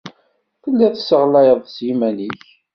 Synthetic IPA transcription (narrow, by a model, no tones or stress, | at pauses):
kəlːiθsəʁlæjəðˤsjimæniç